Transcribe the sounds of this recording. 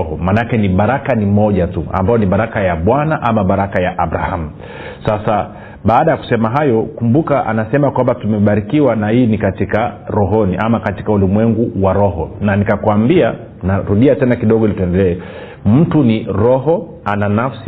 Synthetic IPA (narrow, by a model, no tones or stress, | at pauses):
hɔmanakɛniɓaɾakanimɔʄatua̰mbajɔniɓaɾakajaɓwanaʔamaɓaɾakajaʔaɓɾahamu | sasa | ɓaːɗajaku̥sɛmaɦajɔkumbukaʔa̰nasɛmakwambatumɛɓaɾikiwanahiːnikatikaɾɔɦɔniʔamakati̥kaulimwɛŋɡuwaɾɔɦɔnanikakwambia | naɾuɗiatɛnakiɗɔɠɔilitɔɛndɛlɛɛ | m̩tuniɾɔɦɔ | ananafs